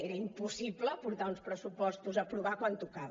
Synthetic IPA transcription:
eɾəimpusipləpuɾt̪aunspɾəsupɔst̪uzəpɾuβakwant̪ukaβə

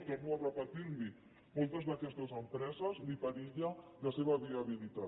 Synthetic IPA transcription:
t̪ɛmuarəpət̪iɾli | molˠt̪əzðakɛst̪ɐzəmpɾɛzɐznipaɾiʎalaseβɐβiaβilit̪a

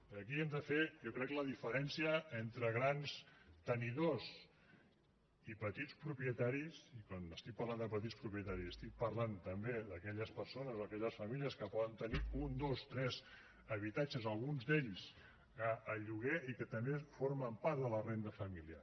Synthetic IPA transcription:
əkiemd̪əfejɔkɾɛkləðifəɾɛnsiəent̪ɾəɣ̞ɾanst̪əniðos | ipət̪it͡spɾupiət̪aɾisikwanəst̪ik̚pɐɾland̪əpət̪̬itspɾupɾiət̪aɾisəst̪ik̚pəɾlant̪əmbeðəkɛʎəspəɾsonəzoəkɛʎəsfəmiliəskəpɔðənt̪əniund̪ost̪ɾɛz | əβit̪at͡ʃəzəlˠɣunzd̪eʎs | əəʎuɣeikət̪əmbefoɾməmpaɾt̪ðələrend̪əfəmilia̰

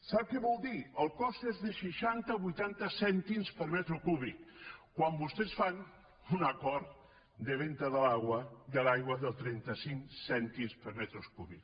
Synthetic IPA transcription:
saβ̚keβɔlˠd̪iəlˠkɔst̪ezðəʃiʃant̪aβujt̪ant̪əsɛnt̪imspəɾmɛt̪ɾukuβikkːwambust̪esfan | unɐkɔɾt | d̪əβ̞ent̪əðəlaɣwəd̪əlajɣwəðəlˠt̪ɾɛnt̪ɐsiŋsɛnt̪imspəɾmɛt̪ɾuskuβik

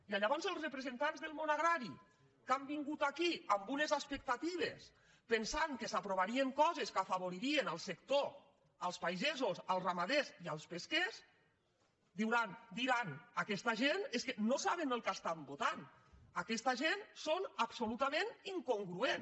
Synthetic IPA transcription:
iaʎaβɔnzəlˠzrəpɾəzent̪anzðelˠmonaɣɾaɾi | kambiŋɡut̪akiambunezaspək̚t̪at̪iβ̞es | pensaŋkəsapɾoβaɾieŋkɔzeskafaβ̞oɾiɾienalˠsekt̪o | əlˠspajzezosalˠzramaðezialˠspeskes | d̪iwɾand̪iɾanakɛst̪aʒeneskenosaβenəlˠkast̪ambot̪an | akɛst̪aʒensonapsolut̪ameniŋkoŋɡɾuen

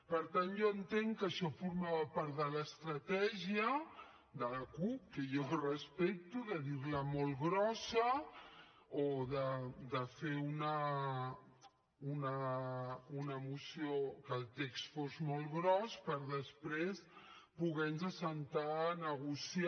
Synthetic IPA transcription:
pəɾt̪anʒɔənt̪eŋkəʃɔfuɾmaβəpaɾt̪ðələst̪ɾət̪ɛʒiə | d̪ələkup̚kəjɔrəspek̚t̪uðəðiɾləmolˠɣɾɔsə | oðəd̪əfeunə | unə | unəmusiokəːlˠt̪ekst̪fozmɔlˠɣɾɔspəɾðəspɾespuɣɛnzəsənt̪anəɣusi

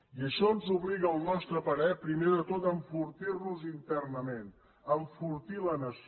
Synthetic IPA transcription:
iəʃɔənzuβliɣəːlˠnɔst̪ɾəpəɾɛpɾimeðət̪ot̪əɱfuɾt̪irnuzint̪ɛrnəmen | əɱfuɾt̪ilənəs

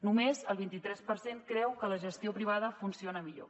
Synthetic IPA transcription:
numezəlˠβint̪it̪ɾɛspəɾseŋkɾɛwkələʒəst̪iopɾiβ̞aðəfunsionəmiʎo̰

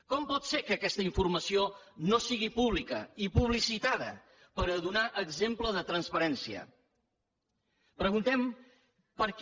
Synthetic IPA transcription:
kɔmpɔt̪sekəːkɛst̪əiɱfuɾməsionosiɣipuβlikə̰ipuβ̞lisit̪aðə̰ | pəɾəðunaʔəɡzempləðət̪ɾənspəɾɛnsiə̰ | pɾəɣunt̪ɛm | pəɾk

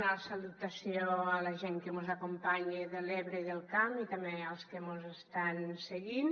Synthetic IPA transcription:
nasalut̪asjoalaʒeŋkemozakompaɲeðeleβɾeiðelˠkamit̪amealˠskemozest̪anseɣin

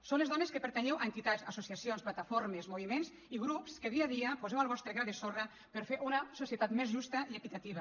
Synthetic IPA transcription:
sowñlezɔneskepeɾt̪eɲɛwʔent̪it̪at̪sasusiasionsplat̪afoɾmezmuβimens | iɣɾupskeðiaðiapuzɛwalˠβɔst̪ɾeɣaðesora | peɾfeɾʔunasusiet̪at̪mezʒust̪ɐiekit̪at̪iβɐ

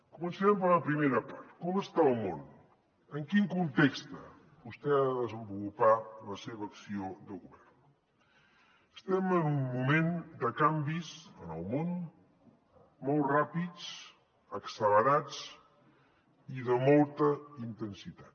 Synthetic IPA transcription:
kumənsəɛmpəɾləpɾimeɾəpa̰rt̪kɔməst̪aəlˠmo̰n | əŋkiŋkunt̪ekst̪ə | bust̪ɛaðəðəzəmbulupaləseβ̞əːksioðəɣuβɛrn | əst̪ɛmənummumend̪əkambizənəlˠmon | mɔlˠrapit͡s | əksələɾat͡s | iðəmɔlˠt̪əint̪ənsit̪at̪

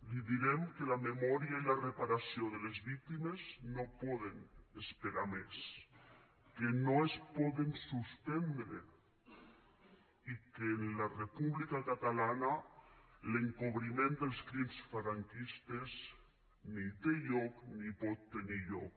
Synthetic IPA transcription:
liðiɾɛmkəlamemɔɾiailarepaɾasioðəlezβik̚t̪imeznopɔðenəspeɾames | kenoespɔðensuspɛnd̪ɾe | ikeːnlarepuβlikakat̪alana | leŋkoβɾimend̪əlˠskɾimsfaɾaŋkist̪ez | nit̪eʎɔknipɔt̪ːeniʎɔk

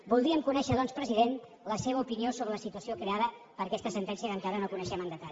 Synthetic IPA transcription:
bulˠd̪ɾiəmkunɛʃəðɔnspɾəziðen | ləseβ̞əupiniosoβɾələsit̪uəsiokɾeaðə | pəɾkɛst̪əsənt̪ɛnsiəkəŋkaɾənokunəʃɛmənd̪ət̪aʎ

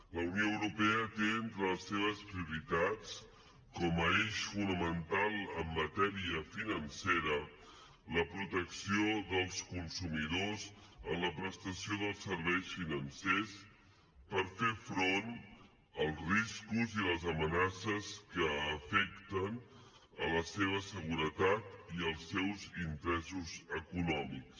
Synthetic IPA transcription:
ləwnioəwɾupɛət̪eent̪ɾəəsːeβ̞əspɾiuɾit̪at͡s | kɔməeʃfunəmənt̪alˠəmːət̪ɛɾiəfinənseɾə | ləpɾut̪əksioðəlˠskunsumiðozəmləpɾəst̪əsioðəlˠsəɾβɛjsfinənses | pəɾfefɾon | əlˠzriskuziləzəmənasəskəːfɛkt̪ən | ələseβəsəɣuɾət̪at̪iəlˠsːɛwzint̪ɾɛzuzəkunɔmiks

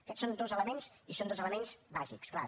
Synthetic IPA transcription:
əkɛtsond̪ozələmensisond̪ozələmenz̥baʒḭkskla̰

